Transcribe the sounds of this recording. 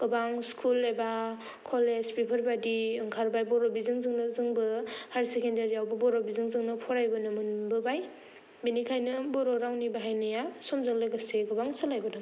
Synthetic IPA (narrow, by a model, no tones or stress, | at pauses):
ɡ̥ɯbaŋskʰulːajba | kʰolezpipʰɯɾbadiɯŋkʰaɾbajbɔɾobizɯŋzɯŋnɯzɯŋbɯhaɾsekendaɾijawbɯbɔɾobizɯŋzɯŋnɯpʰɔɾajbɯnɯmɯnbɯbaj | binikʰajnɯbɔɾoɾawnibaɦajnɯjasɔmzɯŋlɯɡaseɡɯbaŋsɯlajbɯnɯ